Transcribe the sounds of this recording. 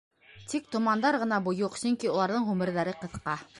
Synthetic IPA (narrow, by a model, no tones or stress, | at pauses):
t̪ik̚t̪ŏmɑnd̪ɑɾʁɤ̆nɑbujuqsɵŋkiulˠɑɾðɤɴʁʉmɘ̆ɾðæɾɘqɤ̆θqɑ